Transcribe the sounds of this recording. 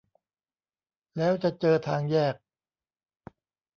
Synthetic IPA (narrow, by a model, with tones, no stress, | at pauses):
lɛː˦˥wt͡ɕa˨˩t͡ɕɤː˧t̪ʰaː˧ŋjɛː˥˩k̚